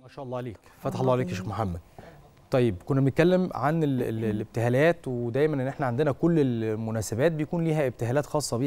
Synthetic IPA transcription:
mæʃæːʔɑlːˤɑːʕleːk | fæt̪ħɑlˤːɑːʕeleːkjæʃiːxmoħamːæd̪̚ | t̪ˤɑjːebkonːæbenet̪̚kælːemʕanḛllʔeb̚t̪eɦæːlæːt̪wed̪æːjmænʔenːʔeħnæʕand̪enækolːelmonæːsebæːt̪̚bejækuːnliːɦæeb̚t̪eɦælæːt̪xɑːsˤːɑbiː

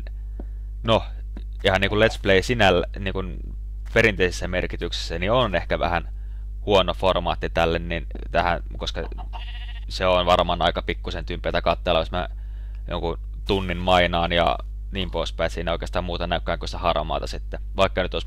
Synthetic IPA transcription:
no | ihɑnniːŋkulet̪spleisinælːæniːŋkun | peɾint̪eisisːæmerkit̪yksi̥sːænionehkæʋæ̰hæn | huonoformɑ̰ːt̪ːit̪ælːennin | t̪æhæn | koskɑ | seonʋɑrmɑːnɑikɑpikːusent̪ympˑeːˑt̪ækɑt̪ːeːlɑismæ̰ | jo̰ŋku | t̪unːinmɑinɑːnjɑ̰ | niːmpoˑispæisiːnæoˑikeːst̪ɑːmmuːt̪ɑnæykːæːkːøst̪æhɑrmɑ̰ːt̪ɑsit̪ːe | ʋɑikːɑnyt̪os

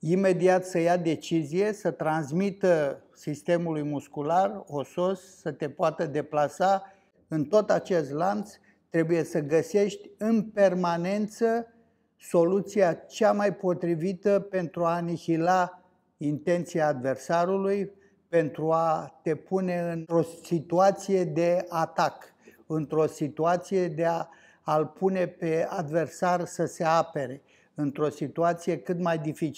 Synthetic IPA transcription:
ime̞d̪iat̪səjad̪e̞t͡ʃizije̞sət̪ɾansmit̪ə | sist̪e̞mulujmuskularoso̞sːət̪e̞poat̪əd̪e̞plasa | ɨnt̪o̞t̪at͡ʃe̞st̪lant̪s | t̪ɾe̞buje̞səɡəse̞ʃt̪ʲɨnpe̞rmane̞nt̪sə | so̞lut̪sijat͡ʃamajpo̞t̪ɾivit̪əpe̞nt̪ɾuanihila | int̪e̞nt̪sijaːd̪ve̞rsaɾuluj | pe̞nt̪ɾuat̪e̞pune̞ɨnɾo̞sit̪uat̪sije̞d̪e̞at̪ak | ɨnt̪ɾo̞sit̪uat̪sije̞d̪eaː | lpune̞pe̞ad̪ve̞rsarsəse̞ape̞ɾe̞ | ɨnt̪ɾo̞sit̪uat̪sije̞kɨt̪majd̪ifit͡ʃ

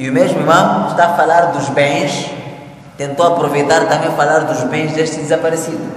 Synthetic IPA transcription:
iumeʒmuiɾmɐ̃w̃ʃt̪aɐfɐlaɾd̪uʒbẽj̃ʃ | t̪ẽnt̪owɐpɾuvejt̪aɾt̪ɐ̃mẽj̃fɐlaɾd̪uʒbẽj̃ʒd̪eʃt̪ɨd̪ɨzɐpɐɾesid̪u

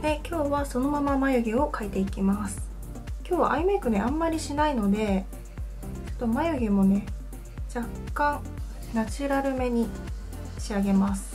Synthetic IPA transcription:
d̪e̞kʲo̞ːβaso̞no̞mamamajoɡʲeo̞kait̪e̞ikʲimasɨ̥ | kʲo̞ːβa̰ʔaimekɯ̟neãmːaɾʲiɕinaino̞d̪e̞ | t͡ɕo̥t̪ːo̞majoɡʲemo̞ne̞ | d͡ʑakkːãŋ | nat͡ɕɨɾaɾɯ̟me̞ɲ̟i | ɕiaɡe̞masɨ̥

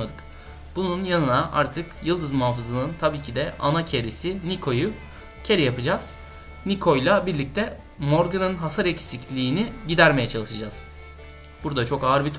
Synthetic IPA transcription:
ad̪ɯk | b̥ununjanɯnaʔa̰ɾt̪ʰɯkjɯlˠd̪ɯzmuɦaːfɯzlˠɯɯnt̪ʰabiːcʰid̪ɛʔa̰nacʰeɾisinikʰo̞ju | cʰe̞ɾijapɯd͡ʒaz̥ | nikʰo̞jlˠabiɾlʲic̚t̪ʰɛ | moɾɡɯnɯnɦasaɾɛcsicʰlʲiːniɟid̪æɾme̞jɛt͡ʃʰalˠɯʃɯd͡ʒaz̥ | b̥uɾd̪at͡ʃʰo̞kaɯɾbit̪ʰ

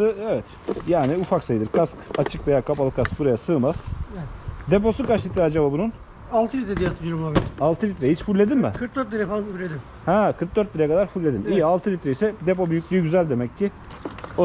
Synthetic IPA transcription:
sɯevɛt̪ | jaːniufaksajɯd̪ɯɾkʰaskat͡ʃʰɯkve̞jaːkʰapalˠɯkʰaskbuɾajasɯːmaz̥ | d̪e̞p̬o̞sukaɾʃit̪ːɾad͡ʒababunun | alˠt̪ʰɯlit̪ɾed̪ijat̪ʰɾobulˠabialˠt̪ʰɯlʲit̪ɾehit͡ʃfulʲːe̞d̪imbɛnkʰɯɾk̚d̪øɾt̪lʲiɾɛfamflʲed̪im | hɛ̃kʰɯɾk̚d̪øɾt̪lʲiɾejɛkʰad̪aɾfulʲːe̞d̪imijalˠt̪ʰɯlʲit̪ɾejisɛd̪epo̞byjycʲlʲyjyɟyzælʲd̪e̞mɛcːɪ | o

